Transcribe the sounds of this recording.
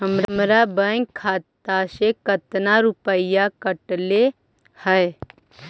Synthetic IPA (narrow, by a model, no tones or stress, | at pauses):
ɦəmɾmɾabə̃ŋɡkʰːaːt̪asekət̪naɾʊpəɪjakəʈle | hɛe